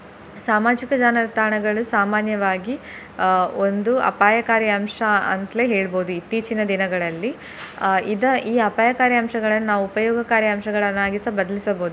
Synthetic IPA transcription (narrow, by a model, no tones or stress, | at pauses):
saːmaːd͡ʒikɐd͡ʒaːnɐt̪aːɳɐɡɐɭusaːmaːnjɐʋaːɡi | ond̪uɐ̰paːjɐkaːɾjɐɐmʂɐɐ̰nt̪leɦeːɭboːd̪uit̪ːiːt͡ʃinɐd̪inɐɡɐɭɐlːi | id̪ɐiːɐpaːjɐkaːɾjɐɐmʃɐɡɐɭɐnːɐnaːʋuupɐjɔːɡɐkaːɾjɐɐmʃɐɡɐɭɐnːaːɡisɐbɐd̪ɐlisɐboːud̪u